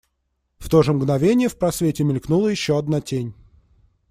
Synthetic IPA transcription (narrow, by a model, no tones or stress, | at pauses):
ft̪oʐəmɡnɐvʲenʲɪjəfpɾɐsvʲetʲɪmʲɪlʲknulˠəjɪɕːoɐd̪natʲenʲ